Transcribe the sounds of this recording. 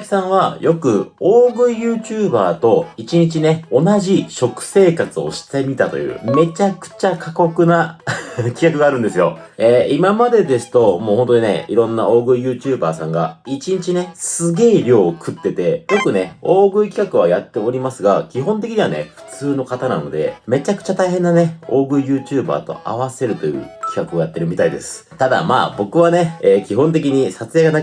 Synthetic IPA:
i̥sãɰ̃βajo̞kɯ̟oːɡɯ̟ijɯ̟ːt͡ɕɨːbaːt̪o̞it͡ɕiɲ̟it͡ɕine̞o̞naʑiɕo̞kɯ̟̥se̞ːkat͡sɨo̞̰ɕi̥t̪e̞mʲit̪at̪o̞̰jɯ̟̰ːme̞t͡ɕakɯ̟̥t͡ɕakʰako̞kɯ̟na | kʲi̥kakɯ̟ɡaːɾɯ̟̃nd̪e̞sɨjo̞eːimamad̪e̞d̪e̞sɨ̥t̪o̞moːho̞nt̪oɲ̟inḛḭɾõ̞nːao̞ːɡɯ̟ijɯ̟ːt͡ɕɨːbaːsãŋɡa̰it͡ɕiɲ̟it͡ɕine̞sɨɡʲe̞ːɾʲo̞ːkʰɯ̟t̪ːe̞t̪e̞bo̞kɯ̟ne̞o̞ːɡɯ̟ikʲi̥kakɯβajat̪ːe̞o̞ɾʲimasɨɡakʲiɦõ̞nt̪̬ekʲiɲ̟iβa̰ne̞̰ɸɯ̟̥t͡sɨːno̞kat̪ana̰no̞̰d̪e̞̰me̞t͡ɕakɯ̟̥t͡ɕat̪aiɦẽ̞nːane̞o̞ːɡɯ̟ijɯ̟ːt͡ɕɨːba̰ːt̪o̞̰ʔa̰β̞ase̞ɾɯ̟t̪o̞jɯ̟̰ːkʲi̥kakɯ̟ojat̪ːe̞ɾɯ̟mʲit̪aid̪e̞̰sɨ̥t̪ad̪a̰ma̰ːbo̞kɯ̟β̞ane̞eːkʲiɦõ̞nt̪e̞kʲiɲ̟isat͡sɨjaɡana

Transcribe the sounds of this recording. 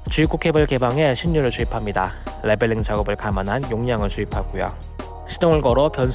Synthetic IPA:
t͡ɕuik͈ukʰe̞bɯɭke̞baŋɦe̞ɕʰiɲːuɾɯɭt͡ɕuipʰamɲidalebeɾiŋt͡ɕaɡʌbɯɭkamanɦanjoŋɲaŋɯɭt͡ɕuipʰaɡ͈ujo̰ | ɕʰidoŋɯɭɡʌɾʌpjʌns

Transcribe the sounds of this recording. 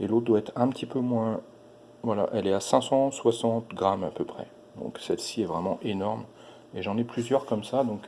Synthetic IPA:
elot̪̚d̪waɛt̪χɛ̃pt̪ʰipømwɛ̃ | vwala̰ʔɛlɛasɛ̃sɑ̃swasɑ̃t̪ɡʁama̰pøpχɛ̰ | d̪ɔ̰̃ksɛlsiɛvʁɛmɑ̃ʔenɔʁm | eʒɑ̃nɛplyzjœʁkɔmsad̪ɔ̃k

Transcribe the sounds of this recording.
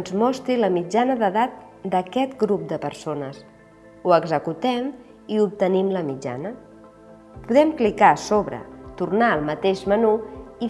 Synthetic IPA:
nzmɔst̪ɾiləmid͡ʒanəðəðat̪̚ | d̪əkɛt̪ɡɾup̚d̪əpəɾsonəs | uəɡzəkut̪ɛm | iup̚t̪ənimləmid͡ʒa̰nə | puðɛmklikasoβɾə̰t̪urnaəlˠmət̪eʃmənui

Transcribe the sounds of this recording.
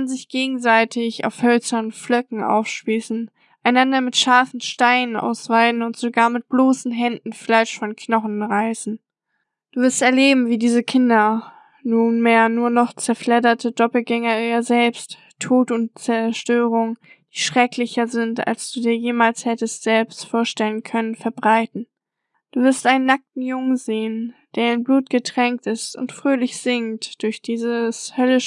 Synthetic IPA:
anzɪçɡ̥eːɡŋ̩zaɪtʰɪça̰ʊfhœlsɐnflœkŋ̩ʔa̰ʊfʃpiːsn̩ | ʔaɪnandɐmɪtʃaɐfn̩ʃtaɪnənʔa̰ʊsv̥aɪdn̩ʊntz̥oɡaːɐmɪt̚b̥loːsn̩ɦɛndn̩flaɪʃfɔnkʰnɔχn̩ʁaɪsn̩ | d̥uːvɪɐstɛɐleːbm̩viːdiːzəkʰɪndɐ | nuːnmeːɐnuːɐnɔχt͡sɛɐflɛdɐtʰədɔpl̩ɡɛŋɐiɐzɛlpst | tʰːoːtʊntt͡sɛɐʃtøːʁ̞ʊŋ | d̥iːʃʁ̥ɛklɪçɐzɪnta̰lsd̥uːdiːɐjeːmaːlshɛtəstz̥ɛlpstfoːɐʃtɛlənkʰœnənfɛɐbʁaɪtn̩ | d̥uːvɪɐstʔaɪnənːak̚tn̩jʊŋənzeːənd̥eːɐɪnbluːt̚ɡ̥ətʁ̥ɛŋk̚tɪstʊ̰ntfʁ̥øːlɪçz̥ɪŋtd̥ʊɐçd̥iːzəshœlə

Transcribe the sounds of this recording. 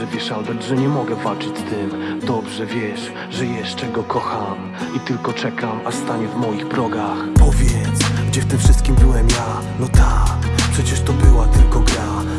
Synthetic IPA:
ʐɛvʲjɛʂalb̪ɛt̪ʐɛɲɛmɔɡɛvalt͡ʂɘt͡ɕt̪ɘmd̪ɔbʐɛvʲjɛʂ | ʐɛjɛʂt͡ʂɛɡɔkɔxam | it̪ɘlkɔt͡ʂɛkʰamast̪aɲɛvmɔjiɣbɾɔɡaxpɔvʲjɛt̪sɡd͡ʑɛft̪ɪmfʂɘst̪̚kʲimbɘwɛmja | nɔt̪ʰakpʂɛt͡ɕɛʂt̪ɔbɘwat̪ɘlkɔɡɾa

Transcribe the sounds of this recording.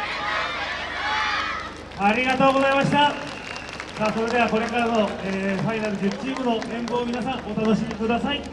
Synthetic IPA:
aɾʲiɡat̪o̞ːɡo̞zaimaɕi̥t̪a | saːso̞ɾe̞d̪e̞β̞ako̞ɾe̞kaɾano̞eːɸainaɾɯ̟d͡ʑit͡ɕiːmɯ̟no̞ẽ̞mbo̞ːmʲinasãŋ̃ʔo̞t̪ano̞ɕimʲikɯ̟d̪asai

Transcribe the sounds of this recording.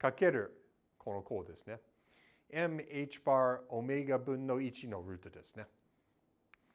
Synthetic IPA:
kake̞ɾɯ | kʰonokʰoːd̪e̞sɨ̥ne | emeit͡ʃi̥baːɹomeɡabɯ̃nːoit͡ʃino̞ɾʉ̟ːt̪od̪e̞sɨ̥ne

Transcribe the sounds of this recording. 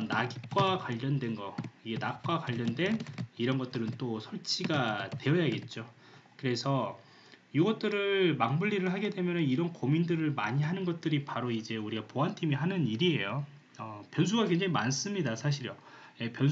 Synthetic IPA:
naɡik͈wakwaʎːʌndwe̞nɡʌiɡe̞nat̚k͈wakwaʎːʌndwe̞niɾʌnɡʌt̚t͈ɯɾɯnt͈osʰʌɭt͡ɕʰiɡate̞ʌjaɡe̞t̚t͡ɕ͈o | kɯɾe̞sʰʌ | jiɡʌt̚t͈ɯɾɯɭmaŋmuʎːiɾɯɭɦaɡe̞dwe̞mjʌnɯniɾʌnkomindɯɾɯɭmaɲiɦanɯnɡʌt̚t͈ɯɾipaɾoid͡ʑe̞uɾiɡapoɦantʰimiɦanɯniɾiɦe̞jo | ʌpjʌns̬ʰuɡakwe̞ŋd͡ʑaŋimans͈ɯmɲidasʰaɕ̬ʰiɾjʌ | je̞pjʌn

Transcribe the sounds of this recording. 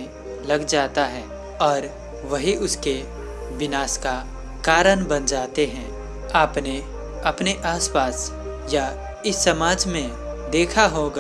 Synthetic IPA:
lɐɡd͡ʒaːt̪aɦɛː | ɔːɾ | ʋɐɦiʔʊske | ʋɪnaːska | kaːɾəñbɐnd͡ʒaːt̪eɦɛ̃ː | aːpne | ɐpneʔaːspaːs | ja | ɪsːɐmaːd͡ʒmẽ | d̪eːkʰaɦoːɡa

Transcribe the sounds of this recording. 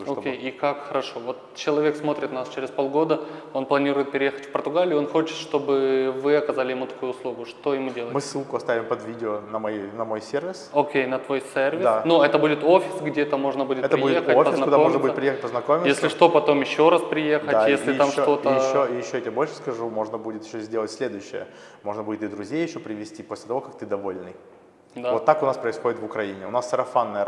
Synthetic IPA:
okʲejikakxəɾɐʂo̞vo̞t̪t͡ɕɪlˠɐvʲe̞ksmo̞t̪ɾʲɪt̪nast͡ɕeɾʲɪspo̞lˠɡo̞d̪əo̞nplˠɐnʲiɾʊjɪt̪̚pʲɪɾʲɪjexə̥tʲfpərt̪ʊɡalʲɪːo̞nxo̞t͡ɕɪ̥t̪ʂt̪o̞bɨvɨɐkɐzalʲɪjɪmut̪ɐ̥kujʊːslˠuɡʊʂt̪o̞jɪmudʲelˠmɨsːɨlˠkʊɐst̪avʲɪmpɐd̪vʲidʲɪonəmɐnɐmojsʲervʲɪsokʲejnɐt̪vo̞jsʲervʲɪd̪sanuɛt̪əbudʲɪt̪ofʲɪsɡdʲet̪əmo̞ʐnəbudʲɪt̪ɛt̪əɪbudʲɪteəofzɪsnkʊd̪aoʐnəbuɪt̪pɾʲɪjexət̚ʲpəznɐkomʲɪjesʲlʲɪʂt̪opɐt̪o̞mjɪɕːo̞ɾaspɾʲɪjexəd̪ajesʲlʲɪj̪amʂot̪o̞t̪əɪɕːoojjɪɕːotʲbo̞lʲʂɨ̥skɐʐumo̞ʐnəbudʲɪt̪jɪɕːozʲdʲelˠətʲsʲlʲed̪ʊjʉɕːɪ̰jə̰ | mo̞ʐnəbudʲɪt̪ɨd̪ɾʊzʲejːɪɕːopɾʲɪvʲɪsʲtʲiposlʲɪt̪ɐvo̞kɐk̚t̪ɨd̪ɐvolʲnɨj | d̪avot̪ːakʊnaspɾəɪsxo̞dʲɪt̪vʊkɾɐinʲɪʊ̰nasːɐɾɐfanːəjə

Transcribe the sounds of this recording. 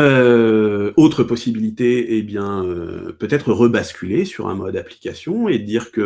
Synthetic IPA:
ø | ot̪χəpɔsibilit̪eebjɛ̃øpøt̪ɛt̪χəʁəbaskʲylesyʁɛ̰̃mɔd̪apli̥kʲasjɔ̃ed̪iːʁkə

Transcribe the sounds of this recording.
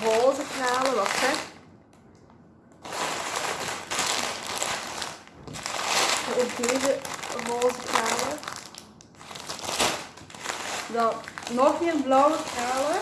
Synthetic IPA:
roːzəkraːləʋɑtfɛk | əəkdeːzəroːzəkraːlə | dɑtnɔxeːnblɔwəkraːlə

